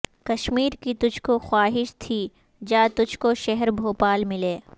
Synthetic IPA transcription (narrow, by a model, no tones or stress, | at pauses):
kɐʃmiːɾkit̪ʊd͡ʒʱkoxwaːɦɪʃt̪ʰiː | d͡ʒaːt̪ʊd͡ʒʱkoʃɛɦɛɾbʱoːpaːlmɪleː